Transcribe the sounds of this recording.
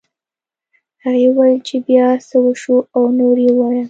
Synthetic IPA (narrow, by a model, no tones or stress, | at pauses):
haɣewajlt͡ʃebjɑsəwəʃuawnoɾjewɑja